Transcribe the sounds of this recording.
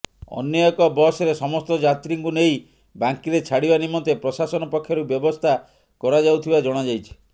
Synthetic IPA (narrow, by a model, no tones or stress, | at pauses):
ɔ̰njɔɔkɔbɔsɔɾesɔmɔst̪ɔd͡ʒat̪ɾiŋkunej | baŋkiɾet͡ʃʰaɽibanimɔnt̪epɾɔsasɔnɔpɔkʰːjɔɾubjɔbɔst̪ʰa | kɔɾad͡ʒawt̪ʰibad͡ʒɔɽ̃ad͡ʒajt͡ʃʰi̥